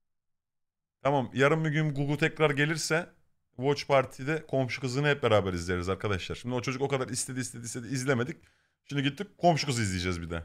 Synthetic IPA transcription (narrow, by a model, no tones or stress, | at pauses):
t̪ʰamamjaɾɯmːiɟynɡuɡlˠt̪ʰɛcɾaɾɟe̞lʲiɾsɛ | vot͡ʃpʰaɾt̪ʰid̪ɛkʰo̞mʃukɯzɯnɯhɛp̚beɾaːbæɾizlʲeɾizaɾkʰad̪aʃlˠaɾ̥ʃimd̪io̞t͡ʃʰo̞d͡ʒuko̞kad̪aɾist̪ʰeiːst̪ʰed̪isʰe̞d̪iːzlʲeme̞d̪ic̚ | ʃimd̪iɟit̪ːip̚kʰo̞mʃukɯzɯizlʲejed͡ʒɛzbid̪ɛ̰